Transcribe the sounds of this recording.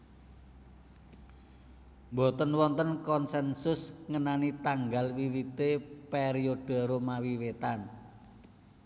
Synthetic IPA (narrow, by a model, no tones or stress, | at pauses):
mbot̪ənwɔnt̪ənkɔnsɛnsʊsŋənanit̪aŋɡalwiwit̪epɛɾijod̥ə̤ɾomawiwet̪an